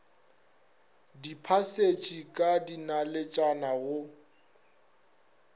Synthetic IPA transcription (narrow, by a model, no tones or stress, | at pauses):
dipʰaset͡ʃʼikʼadinalɪt͡ʃʼanaɣʊ